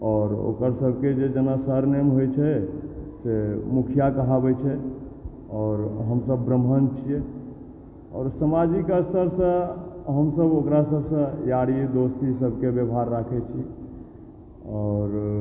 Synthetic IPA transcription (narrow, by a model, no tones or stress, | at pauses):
ɔːɾo̰kəɾsəbʱked͡ʒed͡ʒənasəɾnemɦojt͡ʃʰɛsemukʰijakəɦabɛt͡ʃʰɛ | ɔːɾɦəmsəbːɾəmɦənt͡ʃʰijɛ | ɔ̰ːɾsəmad͡ʒikast̪ʰəɾsə̃ɦəmsəbokɾasəbʱsə̃jaɽid̪ost̪isəbʱkebjəbʱaɾːakʰɛt͡ʃʰi | ɔːɾ